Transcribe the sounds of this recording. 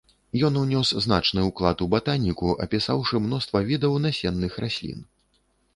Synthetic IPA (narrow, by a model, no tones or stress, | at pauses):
jɔnnʲɔsznat͡ʂnɨuklˠat̪ubat̪anʲːikuʔɐ̰pʲisawʂɨmnɔst̪vɐvʲid̪ɐwnasʲɛnːɨxrasʲlʲḭn